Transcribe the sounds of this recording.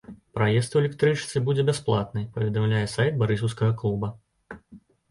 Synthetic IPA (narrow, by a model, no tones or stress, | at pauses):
pɾajɛst̪wɛlʲɛkt̪ɾɨt͡ʂɨt̪sɨbud͡zʲɛbʲɛsplˠat̪nɨjpɐvʲɛd̪amlʲajɛsajt̪̚baɾɨs̬ɐwskɐɣɐklˠubɐ